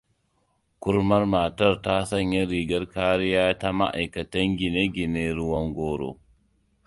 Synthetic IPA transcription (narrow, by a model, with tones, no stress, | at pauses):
ku˦ɾma˦ɾmaː˨ta˦ɾta˦sa˦ɲja˦ɾiː˨ɡa˦ɾkaː˦ɾi˦jaː˦ta˦ma̰˦ʔa̰˨jka˨ta˦ŋɡi˨ne˦ɡi˨ne˦ɾu˦wa˦ŋɡɔːɾɔ̰˨